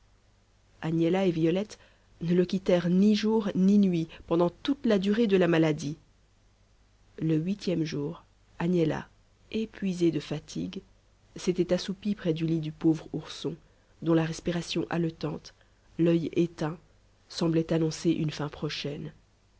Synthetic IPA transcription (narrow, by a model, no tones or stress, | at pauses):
anjɛlaevijɔlɛt̪ | nələkʲit̪ɛʁniʒuʁninɥipɑ̃d̪ɑ̃t̪ut̪lad̪yʁed̪əlamalad̪i | ləɥit̪ʰjɛmʒuːʁ | anɛla̰ | epɥized̪əfat̪ʰḭɡ | set̪ɛt̪asupipχɛd̪ylid̪ypovʁuʁsɔ̃ | d̪ɔ̃laʁɛspiʁasjɔ̃ʔalɔt̪ɑ̃t̪ | lœjet̪ɛ̃ | sɑ̃blɛt̪anɔ̃seʔy̰nfɛ̃pχɔʃɛn